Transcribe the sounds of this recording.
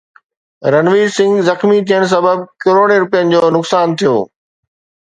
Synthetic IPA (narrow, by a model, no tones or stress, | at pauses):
ɾɐnʋiːɾsɪ̃ŋɡzɐxmit̪ʰiəɽ̃s̬ɐbəb̚kɪɾoːɽeɾʊpijənɪ̆d͡ʑoːnʊksaːnt̪ʰijo̰ː